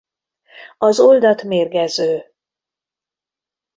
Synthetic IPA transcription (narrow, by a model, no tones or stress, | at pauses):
ɒzo̞ld̪ɒt̪meːrɡɛzøː